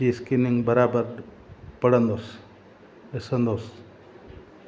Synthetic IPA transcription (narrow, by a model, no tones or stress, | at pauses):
iskinɪŋɡbɐɾaːbəɾ | pəɽə̃nd̪os | ɪsənd̪os